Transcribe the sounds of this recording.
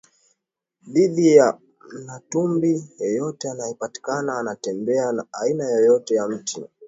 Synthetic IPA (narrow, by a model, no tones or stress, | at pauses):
ðiðija | natumbijɔjɔtɛanajɛpati̥kanaːnatɛmbɛanaainajɔjɔtɛjam̩ti